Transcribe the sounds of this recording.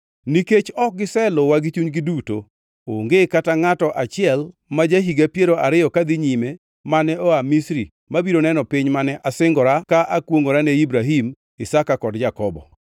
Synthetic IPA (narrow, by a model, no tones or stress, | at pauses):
niket͡ʃɔk̚ɡɪsɛlowaɡit͡ʃuɲɡɪduto | oŋɡekataŋatɔʔat͡ʃɪɛl | mad͡ʒaɦiɡapjeɾoʔaɾɪjɔkad̪ɪɲime | manɛoamisɾi | mabiɾonɛnɔpɪɲmanɛʔasɪŋɡɔɾakaʔakwoŋoɾanɛibɾaɦim | ɪsakakɔdd͡ʒakɔbɔ̰